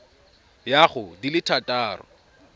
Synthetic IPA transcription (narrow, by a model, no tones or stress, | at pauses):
jaχʊdilɪtʰatʼaːrɔ̰